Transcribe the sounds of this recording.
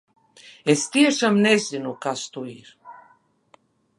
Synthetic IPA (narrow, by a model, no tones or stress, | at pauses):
est̪ieʃamnɛzinukast̪uiɾ